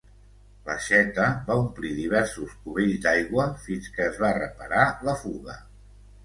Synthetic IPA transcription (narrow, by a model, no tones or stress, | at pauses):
ləʃɛt̪əβaumpliðiβ̞ɛɾsuskuβeʎzd̪ajɣwəfinskəːzβarəpə̰ɾaləfuɣə̰